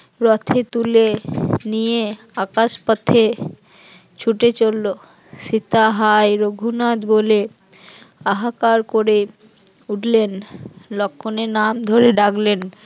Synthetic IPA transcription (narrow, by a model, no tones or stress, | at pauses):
ɾɔt̪ʰet̪ulenijeakaʃpat̪ʰːe | t͡ɕʰuʈet͡ɕolːo | ʃit̪aɦajɾoɡʱunad̪bole | aɦakaɾkoɾe | uʈlenlɔkʰːonenamd̪ʱoɾeɖaklen